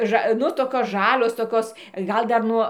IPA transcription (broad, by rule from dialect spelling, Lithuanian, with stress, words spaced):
ˈʒɐ ˈnʊ toːˈkʲoːs ˈʒɑːlʲoːs toːˈkʲoːs ˈɡɐlˠ dɐr ˈnuɔ